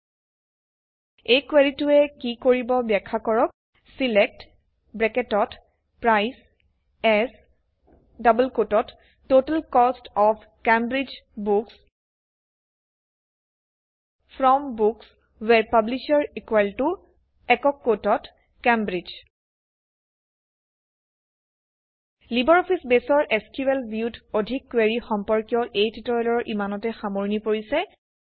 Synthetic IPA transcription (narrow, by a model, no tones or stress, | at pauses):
ejkweɹituɛkikoɹibɔbjakʰːakɔɹɔk̚ | silɛk̚t | bɹɛketɔt | pɹajs | ɛs | dabəlkotɔtː | otalkɔstɔpʰ | kembɹid͡ʒbuks | pʰɹɔmbuks | wɛɹpabliʃaɹikwɛltu | ɛkɔkːotɔt | kembɹid͡ʒ | libɔɹɔpʰisbesɔɹʔeskiwɛlbiutʰodʱikːweɹixɔmpɔɹkijɔʔejtʰitɔɹɛlɔɹʔimanɔtɛxamoɹnipoɹisɛ